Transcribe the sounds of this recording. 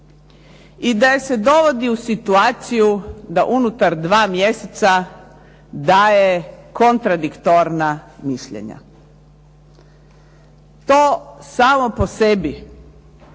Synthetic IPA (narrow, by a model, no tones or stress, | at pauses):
id̪ajese̞d̪o̞ʋo̞d̪iusit̪uaːt̪sijud̪aʔunut̪aɾd̪ʋaːmjeset̪sa | d̪aːjeko̞nt̪ɾad̪ikt̪oɾnamiʃʎḛɲa̰ | t̪oːsaːmo̞po̞sebi